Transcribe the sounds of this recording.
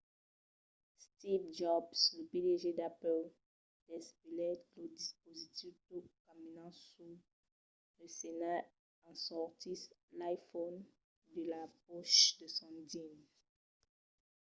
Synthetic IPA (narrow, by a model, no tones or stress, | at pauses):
st̪ivd͡ʒɔbsləpideʒed̪apɛl | d̥ɛspilɛt̪ləd̪ispozit̪iftokaminɑ̃su | ləsena | ɑ̃sɔʁt̪ilajfɔn | d̪əlapɔʃd̪əsɔ̃din